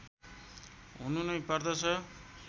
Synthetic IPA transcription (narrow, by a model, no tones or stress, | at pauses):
ɦununʌjpʌrd̪ʌt͡sʰʌ